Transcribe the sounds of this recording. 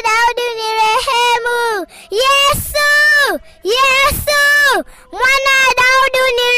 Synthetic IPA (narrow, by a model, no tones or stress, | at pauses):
ɗauɗuniɾehɛmu | jɛsu | jɛsu | mwanadauduni